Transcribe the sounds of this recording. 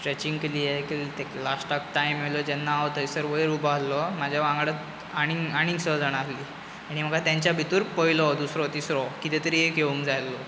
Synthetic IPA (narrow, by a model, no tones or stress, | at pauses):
sʈɾet͡ɕiŋɡkeliːjekit̪eklasʈak̚ʈajmelɔd͡ʑɛnːaːwt̪əjsəɾʋəjɾubʱaɦlːɔmad͡ʑʱjaʋãŋɡɽat̪ | aɽ̃iŋaɽ̃ĩŋɡsəd͡zaɽ̃aɦliː | aɽ̃im̤əkat̪jãɲt͡ɕjabʱit̪uːɾpəilɔd̪usɾɔt̪isɾɔkit̪et̪əɾiːekeũŋkd͡zajlːɔ